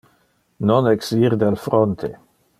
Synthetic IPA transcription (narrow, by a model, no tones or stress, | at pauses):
nonɛksiɾd̪alfɾont̪ʰḛ